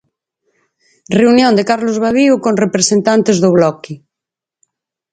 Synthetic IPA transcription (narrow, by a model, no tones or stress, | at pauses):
reunjõnd̪ekaɾlozβ̞aβiukonrepɾesent̪ant̪ezðoβ̞lɔki